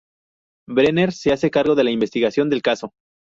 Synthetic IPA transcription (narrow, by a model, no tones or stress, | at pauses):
bɾene̞ɾse̞ase̞kaɾɣo̞ðe̞laimbest̪iɣasjo̞nd̪e̞lkaso̞